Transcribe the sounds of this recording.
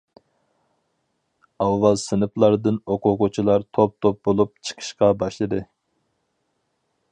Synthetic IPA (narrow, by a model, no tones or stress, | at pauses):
ɑwːɑlˠsɨnɨplˠɑɾd̪ɨnoqʊqʊt͡ʃʰilˠɑɾt̪ʰop̚t̪ʰop̚bolˠup̚t͡ʃʰə̥qʰə̥ʃqɑbɑʃlˠɨd̪ɨ